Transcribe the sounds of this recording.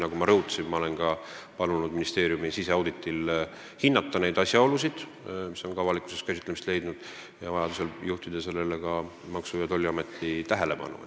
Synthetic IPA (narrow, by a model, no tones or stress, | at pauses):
nɑɡumɑɾɤuwt̪ːɑ̥simmɑo̞le̞nkɑpɑlunud̪̚minist̪e̞ːɾjumisise̞ɑwd̪it̪ːˑil | hinːɑt̪ˑːɑne̞jd̪̥ɑsʲjɑo̞lusid̪̥ | miso̞nkɑvɑlikˑu̥se̞st̪kæsʲit̪ːˑlemist̪le̞jd̪nud̪̥ | jɑvɑjɑd̪use̞ljuht̪id̪̥e̞se̞lːe̞le̞kɑ | mɑksujɑt̪o̞lʲːiɑme̞t̪ːit̪æɦele̞pɑ̰nːṵ